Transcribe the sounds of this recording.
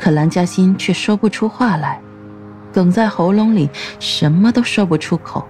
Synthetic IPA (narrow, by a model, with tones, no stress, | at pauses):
kʰɤ˨˩la˧˥nt͡ɕja˥ɕi˥nt͡ɕʰɥɛ˥˩ʂwɔ˥pu˥˩ʈ͡ʂʰu˥xwa˥˩la˧˥ɪ | kɤ˨˩ŋt͡sa˥˩ɪxo˧˥ʊlʊ˧˥ŋli˨˩ʂə˧˥nmə˧t̪o˥ʊʂɔ˥ʊpu˥˩ʈ͡ʂʰu˥kʰo˨˩˦ʊ